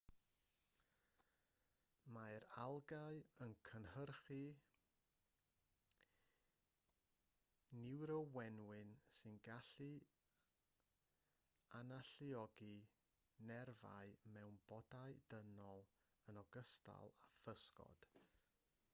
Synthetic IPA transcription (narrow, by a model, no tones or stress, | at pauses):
maɨɾalˠɡaɨənkʰənhərχi | nɪwɾɔwɛnwɨnsɨnɡaɬi | anaɬiɔɡi | nɛrva̰ɨmɛwnb̥ɔdaɨd̥ənɔlˠ | ənɔɡəstʰa̰lˠafəskɔ̰d̥